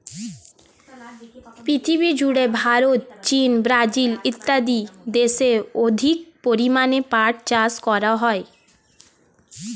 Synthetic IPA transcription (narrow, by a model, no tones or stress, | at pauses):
pɾit̪ʰiβid͡ʑuɽebʱaɾot̪̚t͡ɕinbɾad͡ʑilit̪ːad̪id̪eʃeɾod̪ʱik̚poɾimanepaʈ̚t͡ɕaskɔɾaɦɔe